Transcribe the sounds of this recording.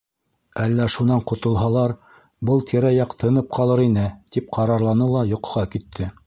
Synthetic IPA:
ælːæʃunɑɴqŏt̪ŏlˠɦɑlˠɑɾ | bɤlˠt̪ʰĭɾæjɑqt̪ʰɤ̆nɤp̚qʰɑlˠɤɾinɘt̪ip̚qʰɑɾɑɾlˠɑnɤlˠɑjŏqɤ̆ʁɑkit̪ʰːɘ

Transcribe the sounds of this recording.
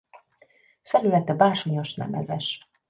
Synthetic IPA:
fɛlylɛt̪ɛbaːrʃoɲo̞ʃnɛ̰mɛ̰zɛʃ

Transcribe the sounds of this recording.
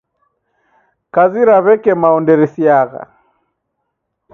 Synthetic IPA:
kaziɾaβɛkɛmaɔndɛɾisiaɣa̰

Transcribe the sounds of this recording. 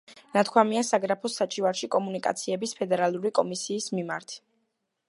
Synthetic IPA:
nat̪ʰkʰwamiasaɡɾapʰɔsat͡ʃʼivaɾʃikʼɔmunikʼa̰t̪sʰiɛbispʰɛd̪ɛɾalˠuɾikʼɔmisiːsmimaɾt̪ʰ

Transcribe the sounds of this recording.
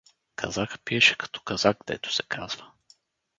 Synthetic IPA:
kʰɐ̰zakpiɛʃɛ̥kɐ̥t̪ʰɔ̥kɐzaɡ̚ɡd̪ɛ̰t̪ʊ̥sɛ̥kʰaz̥və

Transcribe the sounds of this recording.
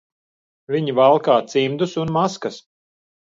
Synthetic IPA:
vʲiɲivalˠkaːt̪simd̪usunmaskas

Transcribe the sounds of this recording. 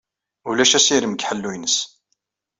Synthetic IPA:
ulæʃæsiɾəmɡħəlːujnəs

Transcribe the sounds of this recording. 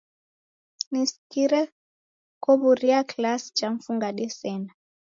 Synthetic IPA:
niskiɾɛ | kɔβuɾiaklasi̥t͡ʃaɱ̩fuŋɡaɗɛsɛna

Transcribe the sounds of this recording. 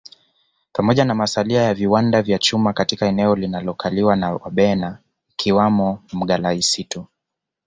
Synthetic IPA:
pamɔʄanamasaliajaviwandavjat͡ʃumakatikaɛnɛɔlinalɔkʰaliwanawa̰ɓɛna | kʰiwamɔm̩ɠalaisitu

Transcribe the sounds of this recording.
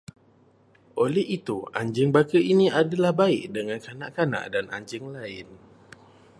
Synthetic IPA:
ʔolɛhit̪ua̰ɲd͡ʒəŋbakəiniadalahbaɪʔ̚dəŋankanaʔkana̰ʔdana̰ɲd͡ʒəŋlaɪn

